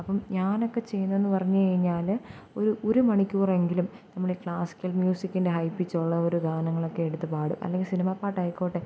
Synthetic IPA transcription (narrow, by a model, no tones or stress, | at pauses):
ɐpːɐmɲaːno̞kːe̞t͡ɕe̞jːunːɐe̞nːɨpɐrɐɲːukɐɻiɲːaːl | o̞ɾuʔoɾumɐɳikʲːuːre̞ŋɡilumnɐmːɐɭekɭaːsi̥kʲːɐlmjuːsikʲːinde̞ɦɐjpːit͡ɕːoɭːɐoɾuɡ̪ʱaːɐnɐŋːɐɭo̞kːe̞eɽut̪ːɨpaːɽɨmʔɐ̰lːe̞ŋɡilsinimaːpːaːʈːɐjikːoːʈːe